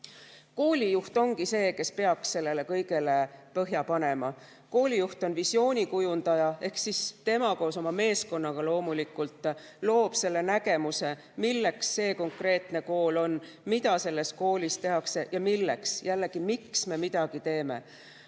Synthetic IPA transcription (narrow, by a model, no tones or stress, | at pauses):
ko̞ːlʲijuht̪o̞ŋɡise̞ːke̞spe̞ɑksːe̞lːe̞le̞kɤjɡ̥e̞le̞pɤɦjɑpɑne̞mɑ | ko̞ːlʲijuht̪o̞nvisjo̞ːnʲikujund̪̥ɑjɑe̞hksist̪e̞mɑko̞ːso̞mɑme̞ːsko̞nːɑɡ̥ɑlo̞ːmulikult̪ˑlo̞ːb̥se̞lːe̞næɡ̥e̞muse̞ | milːe̞ksːe̞ːko̞ŋkre̞ːt̪ne̞ko̞ːlo̞n | mid̪̥ɑse̞lːe̞sko̞ːlʲist̪e̞ɦɑkse̞jɑmilːe̞̰ksjælːe̞ɡ̥imiksme̞mid̪̥ɑɡ̥it̪e̞ːme̞̰